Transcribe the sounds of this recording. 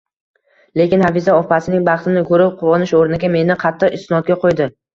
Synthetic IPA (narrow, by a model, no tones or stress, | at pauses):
le̞kʲɪnhavizaɒpasɪnɪŋbɑχt̪ɪnɪkʰɵɾɪp̚qʰʊwɒnɪʃoɾnɪɡʲame̞nɪqʰɑt̪ʰːɨqɪst̪ɪnɒt̪̚ɡʲaqʰojd̪ɪ